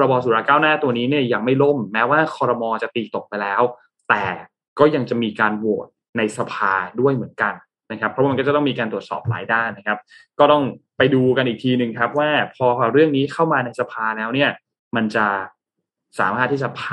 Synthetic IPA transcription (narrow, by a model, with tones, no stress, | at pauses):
ɾa˧bɔː˧suː˨˦ɾaː˧kaː˥˩wnaː˥˩t̪u˧əniː˦˥ni˥˩ɐja˨˩ŋma˥˩jlo˥˩mːɛː˦˥waː˥˩kʰɔː˧ɾa˧mɔː˧t͡ɕa˨˩t̪iː˧t̪o˨˩k̚pa˧jlɛː˦˥w | t̪ɛː˨˩ | kɔː˥˩ja˧ŋt͡ɕa˨˩miː˧kaː˧nwo˨˩t̪̚na˧jsa˧pʰaː˧du˥˩əjmɯ˩˦ənka˧n | na˦kʰa˦˥pʰːɔ˦˥wːm˧kɔ˥˩t͡ɕa˨˩t̪ɔ˥˩miː˧kaː˧nt̪ɾu˩ət̪sɔ̰ː˨˩p̚la̰ː˩˦jdaː˥˩nːa˦kʰa˦˥p̚kɔː˥˩t̪ɔ˥˩ŋpa˧jduː˧ka˧nʔiː˨˩t̪ʰiː˧nɯ˨˩ŋkʰɾa˦˥p̚waː˥˩pʰɔː˧ɾɯ˥˩əŋniː˦˥kʰa˥˩wmaː˧na˧jsa˧pʰaː˧lɛː˦˥wni˥˩ɐ | ma˧nt͡ɕa˨˩ | sa̰ː˩˦maː˥˩t̪ʰːiː˥˩t͡ɕa˨˩pʰa˥